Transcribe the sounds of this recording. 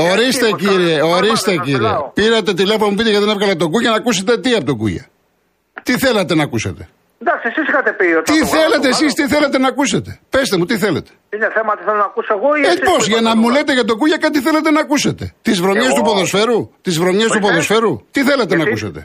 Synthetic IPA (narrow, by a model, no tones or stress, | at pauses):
o̞ɾist̪eciɾieo̞ɾist̪eciɾiḛpiɾɐt̪̬e̞t̪ileponɐmupit̪eʝɐt̪inevɣɐlɐt̪o̞ɡuʝɐnɐkuset̪e̞t̪iɐpot̪oɡṵʝɐ̰ | t̪iθe̞lɐt̪e̞nɐkusḛt̪e̞̥̰ | nd̪ɐksiesisixɐt̪epiot̪t̪iθe̞let̪eːsist̪iθe̞let̪e̞nɐkuset̪e̞pe̞st̪e̞mut̪iθe̞lḛt̪e̥ineθemɐt̪iθelonɐkusoeɣoeposʝɐnɐmulet̪e̞ʝɐt̪o̞kuʝɐkɐt̪̬iθe̞let̪e̞nɐkuset̪e̞̰t̪izvɾomest̪upoðo̞sfe̞ɾut̪izvɾo̞mest̪upo̞ðo̞sfe̞ɾut̪iθe̞let̪enɐusɐ̰t̪e̞̰